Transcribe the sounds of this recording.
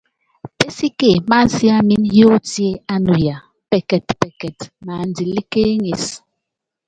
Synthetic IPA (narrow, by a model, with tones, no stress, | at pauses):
pe˦si˦ke˨ma˦si˦a˦mi˦njo˦ti˦e˦a˦nu˨ja˨ | pe˨kɛ˨tpɛ˨kɛ˨tna˨n̩˦di˨li˦ke˦ŋe˨s